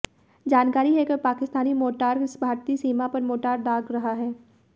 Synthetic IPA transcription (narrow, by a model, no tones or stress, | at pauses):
d͡ʒaːnkaːɾiɦeːkəɾpaːkɪst̪aːnimoːʈaːɾsbʱaːɾt̪isiːmapɐɾmoːʈaːɾɖaːɡɾɐɦaɦɛː